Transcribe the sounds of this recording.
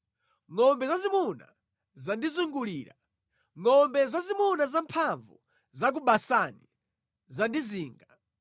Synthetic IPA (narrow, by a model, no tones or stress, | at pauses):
ŋɔmbɛzazimuna̰ | zandizuŋɡuliːɾa | ŋɔmbɛzazimunazampʰaɱvṵ | zak̬uɓasani | zandiziːŋɡa